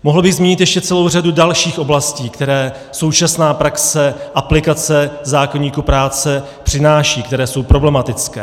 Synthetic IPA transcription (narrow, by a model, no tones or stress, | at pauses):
moɦl̩bɪɣzmiːɲɪt̪jɛʃcɛt͡sɛlowr̝adudalʃiːxʔo̞blasciːkt̪ɛɾɛː | so̞wt͡ʃasnaːpɾaksɛʔaplɪkat͡sɛzaːkoɲiːkupɾaːt͡sɛ | pr̥ɪnaːʃiːkt̪ɛɾɛːso̞wpɾo̞blɛmat̪ɪt͡skɛ̰ː